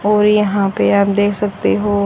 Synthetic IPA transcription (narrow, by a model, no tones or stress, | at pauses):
ɔːɾjɐɦãpeaːp̚d̪eːkʰsɐk̚t̪eɦoː